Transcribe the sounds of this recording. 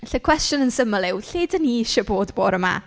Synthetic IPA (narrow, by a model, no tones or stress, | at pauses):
ɬəkʰw̥ɛstjɔnənsəməlɪwɬeːdəniɪʃəboːdboːɾəma̰